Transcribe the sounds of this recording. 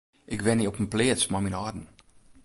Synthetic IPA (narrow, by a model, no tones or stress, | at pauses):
ʔɪkʋɛniɔpənplɪːəsmaminɔdn̩